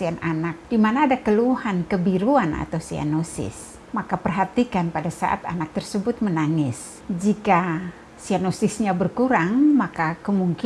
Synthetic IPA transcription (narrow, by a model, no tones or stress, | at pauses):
iananak̚d̥imanaːdakəluhankəbiɾuanʔa̰t̪awsia̰nosɪ̰s | makapərɦat̪ikanpadasa̰ʔa̰t̪a̰nak̚t̪ərsəbʊt̪̚mənaŋɪs | d͡ʒika | sianosɪsɲabərkuɾaŋmakakəmuŋk